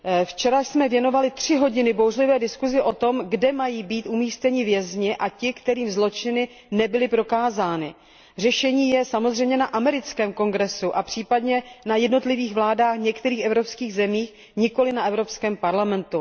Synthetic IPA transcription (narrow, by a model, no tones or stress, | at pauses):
ft͡ʃɛɾasmɛvjɛno̞valɪt̪r̝̥ɪɦo̞ɟɪnɪbowrlɪvɛːdɪskuzɪʔo̞t̪o̞mɡdɛmajiːbiːt̪ʔumiːst̪ɛɲɪvjɛzɲɪʔacɪkt̪ɛɾiːmzlo̞t͡ʃɪnɪ | nɛbɪlɪpɾo̞kaːzaːnɪ | r̝ɛʃɛɲiːjɛsamozrɛjmɲɛnaʔamɛɾɪt͡skɛːmko̞ŋɡɾɛsuʔapr̥iːpadɲɛnajɛdno̞t̪lɪviːxvlaːdaːxɲɛkt̪ɛɾiːxɛvɾopskiːɣzɛmiːx | ɲɪko̞lɪnaɛvɾo̞pskɛːmpaɾlamɛnt̪u